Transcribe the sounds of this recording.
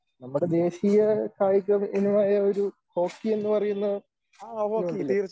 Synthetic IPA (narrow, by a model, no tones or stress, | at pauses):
nɐmːuɽe̞d̪e̞ːɕijɐkaːjikɾɐminumaːjɐo̞ɾuko̞ːkːie̞nːɨpɐrɐjunːɐð